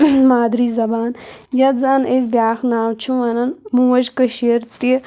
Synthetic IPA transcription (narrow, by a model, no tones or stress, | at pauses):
maːd̪ɾiːzɐbaːnjɐt̪zaːnez̬bjaːxnaːwt͡ʃʰũʋɐnɐnmũʋɐd͡ʒkəʃiɾt̪i